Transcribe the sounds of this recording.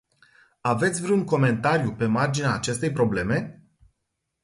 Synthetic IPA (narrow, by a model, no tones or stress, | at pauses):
ave̞t̪sʲvɾeuŋko̞me̞nt̪aɾjupe̞mard͡ʒinaːt͡ʃe̞st̪e̞jpɾo̞ble̞me̞